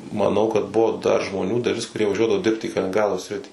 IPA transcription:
mɐˈnɐʊ kɐt ˈbʊʋoː dɐr ʒmoːˈnʲuː dɐˈlʲɪs kʊˈrʲiɛ ʋɐˈʒʲuɔdɐʋoː ˈdʲɪrpt iː kɐlʲɪnʲɪŋɡˈrɑːdoː ˈsʲrʲɪtʲiː

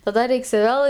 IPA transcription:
tɐˈdɐ ˈrʲɛɪks ˈʋʲeːlˠ

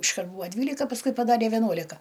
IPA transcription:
ɪʃˈkɐrt ˈbuːɐ ˈdʲʋʲiːlʲɪkɐ pɐsˈkʊɪ pɐˈdɑːrʲeː ʋʲɛˈnuɔlʲɪkɐ

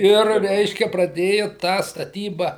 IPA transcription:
ˈɪr ˈrʲɛɪʃʲkʲɛ prɐˈdʲeːjʊ tɑː stɐˈtʲiːbɐ

